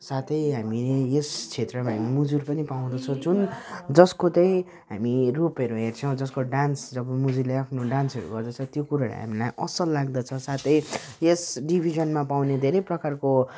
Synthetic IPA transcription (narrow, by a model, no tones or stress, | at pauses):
sat̪ʰʌjɦamileest͡sʰet̪rʌmaɦamimud͡zurpʌnipaw̃d̪ʌt͡sʰʌd͡zund͡zʌskotʌj̃ | ɦamirupʌɾuɦert͡sʰʌw̃d͡zʌskoɖansd͡zʌbʌmud͡zileapʰnoɖansʌɾṵɡʌrd̪ʌt͡sʰʌt̪jokuɾala̰ɦa̰milajʔʌsʌlːaɡ̚d̪ʌt͡sʰʌsat̪ʰʌj | esɖibʱizʌnmapawned̪ʱeɾʌjprʌkarko